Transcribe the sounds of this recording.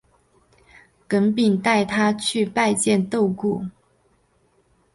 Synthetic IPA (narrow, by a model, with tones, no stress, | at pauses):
kə˧˥npi˨˩ŋt̪a˥˩ɪt̪ʰa˥˦t͡ɕʰy˥˧pa˥˧ɪt͡ɕjɛ˥˧˨nt̪o˥˧ʊku˥˩